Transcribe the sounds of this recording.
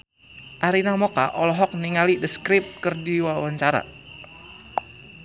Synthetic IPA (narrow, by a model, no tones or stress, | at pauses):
ʔaɾinamɔkaʔɔlɔɦɔk̚niŋalidəskɾip̚kərdiwawaɲt͡ʃaɾa̰